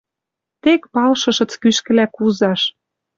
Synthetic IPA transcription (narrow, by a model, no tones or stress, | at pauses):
t̪ekpɑlʃɤ̆ʃɤ̆t͡skyʃkɘ̆lækuzɑʃ